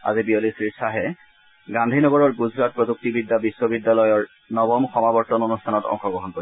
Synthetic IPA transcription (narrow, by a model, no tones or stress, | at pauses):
a̰zibiolisɹisaɦɛ | ɡandʱinɔɡɔɹɔɹɡuzɹat̚pɹɔzuk̚tibidːabisːɔbidːalɔjɔɹ | nɔbɔmxɔmabɔɹtɔnonustʰanɔtɔ̰ŋxɔɡɹɔɦɔnkoɹi